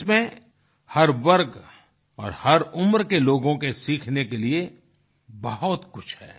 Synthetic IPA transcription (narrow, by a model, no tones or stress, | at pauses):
smẽ | hɐɾʋɐɾɡ | ɔ̰ːɾhɐɾʊmɾkeloːɡõkesiːkʰnekelie | bɐɦʊt̪kʊt͡ʃʰhɛ̰ː